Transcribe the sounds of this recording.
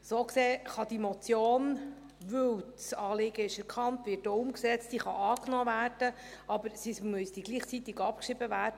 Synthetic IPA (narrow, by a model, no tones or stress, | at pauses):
soːkseːχɑd̥̪imɔt͡sjoːn | ʋɵwtsɑːlɪɡ̥əɪʃɛɾkʰɑntʋɪːt̚doːʊmksɛt͡stiːχɑʔɑːknoːvæːrd̥ə | ɑbəɾsismʉsd̥iɡliːχt͡sit̪ɪɡɑp̚kʃɪb̥əvæːrd̥ə